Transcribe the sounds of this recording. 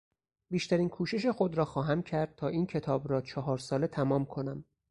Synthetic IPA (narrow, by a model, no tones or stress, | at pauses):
biːʃt̪æɾiːnkʰuːʃe̞ʃ̬exod̪ɾɒːxɒːɦæmcʰæɾd̪̥̚t̪ʰɒːʔiːncʰet̪ʰɒːbɾɒːt͡ʃʰɒɦɒːɾsɒːle̞t̪ʰæmɒːmkʰo̞næm